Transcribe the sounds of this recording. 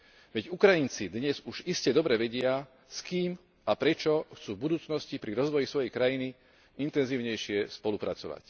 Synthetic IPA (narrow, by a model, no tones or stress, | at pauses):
ʋɛɟukɾajint͡sid̪ɲɛzuʒiscɛd̪ɔbɾɛʋɛɟɪa | skiːm | apɾɛt͡ʃɔxt͡suːvbud̪uːt͡snɔscipɾiɾɔzʋɔjisʋɔjɛjkɾajini | int̪ɛnziːʊɲɛjʃɪɛspɔlupɾat͡sɔʋa̰c